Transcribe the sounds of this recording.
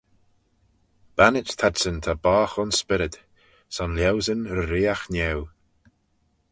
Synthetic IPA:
b̥anɪt͡ʃt̪ʰadsənt̪ʰabaːxɔnspɪɾɪd̪ | sɔnljɛwzənɾəɾiːaxnɛw

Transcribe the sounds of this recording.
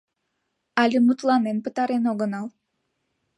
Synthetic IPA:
ɑlʲimut̪lˠɑmenpɯt̪ɑɾenoɡɤnɑlˠ

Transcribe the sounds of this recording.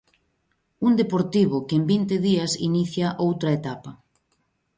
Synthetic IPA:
und̪epoɾt̪iβ̞ʊkembint̪ɪðiɐsḭniθjɐʔowt̪ɾɐet̪apɐ

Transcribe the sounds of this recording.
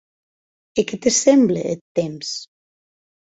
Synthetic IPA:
eket̪esemblḛḛt̪ːems

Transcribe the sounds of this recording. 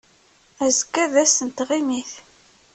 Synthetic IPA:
æzəkːæðæsənt̪ʁimiθ

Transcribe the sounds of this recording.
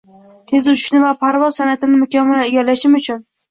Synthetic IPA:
t̪ʰe̞zʊʃnɪvapʰaɾvɒzsanat̪ɪnɪmʊkʲamːɪnaeɡʲalaʃɪmʊt͡ʃʰʊn

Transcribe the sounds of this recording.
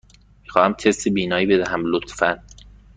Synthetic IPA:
miːxɒːhæmt̪ʰest̪ebiːnɒːjiːbed̪æɦæmlot̪fæn

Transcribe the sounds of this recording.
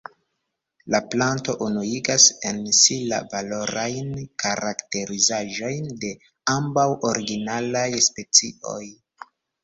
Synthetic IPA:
laplanto̞ʔunuiɡasensila̰valo̞ɾajnkaɾakte̞ɾizaʒo̞jnde̞ | ambawo̞ɾiɡinalajspe̞t͡siʔo̞̰j

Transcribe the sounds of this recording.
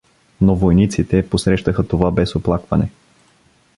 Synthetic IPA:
novojnit̪sit̪ɛposɾɛʃt̪əxət̪ovabɛsoplˠakvɐnɛ

